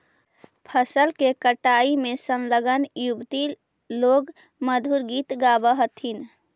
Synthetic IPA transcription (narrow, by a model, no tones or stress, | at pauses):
pʰəsəlkekəʈaimesənləɡənjubt̪i | loɡ | məd̪ʱuɾɡit̪ɡabəɦət̪ʰin